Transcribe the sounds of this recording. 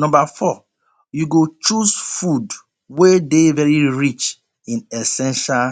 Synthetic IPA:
nɔ̃mbafɔ | juɡot͡ʃusfud | wedevɛɹiɹit͡ʃ | ĩnɛsɛ̃nʃal

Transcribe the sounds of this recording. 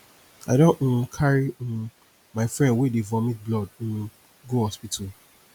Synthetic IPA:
adõkʰaɹi | maɪfɹɛ̃ndwedevɔ̃mĩt̚blɔd̩̃n | ɡohɔspitʰu

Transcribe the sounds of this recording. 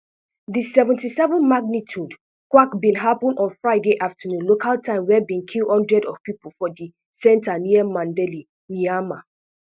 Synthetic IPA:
ðisɛvɛ̃ntisɛvə̃nmaɡ̚nitʰud | kwakbĩnɦapə̃nɔ̃nfɹaɪdeʔaftʰənũnlokaltʰãɪ̃mwɛbĩnkʰilhɔ̃ndɹɛdɔv̥pipəl̩ˠfɔdi | sɛ̃ntaniəmãndɛli | miama

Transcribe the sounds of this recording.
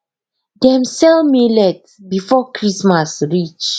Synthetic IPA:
dɛ̃msɛlmelɛt | bifɔkɹismasɹit͡ʃ

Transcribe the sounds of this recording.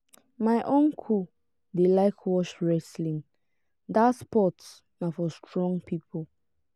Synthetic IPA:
maɪʔõnkʰu | delaɪkʰwɔʃɹɛslĩn | daspɔts | nafɔstɹɔ̃ŋpʰipʰol

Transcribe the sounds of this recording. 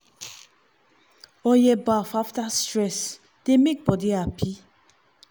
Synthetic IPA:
ɔjɛbafaftastɹɛs | d̥emek̚bɔdiapʰi

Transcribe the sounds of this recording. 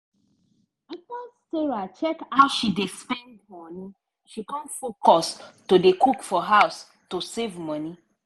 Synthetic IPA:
itasteɹat͡ʃɛkawʃidespɛ̃ndmɔni | ʃikɔ̃nfokɔstudekʰukfɔɦaʊs | tusevmɔ̃ni

